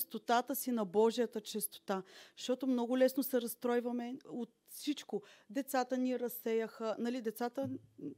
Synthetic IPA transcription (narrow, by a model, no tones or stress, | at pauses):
t͡ʃst̪ot̪at̪əsinɐbɔʒijət̪ət͡ʃɛst̪o̥t̪aʃt̪ɔt̪omnɔɡʊlɛsnosɛɾɐst̪ɾɔjvɐmɛot̪ | fsit͡ʃkod̪ɛt̪sat̪əniɾɐsɛjəxənɐlid̪ɛt̪sat̪ə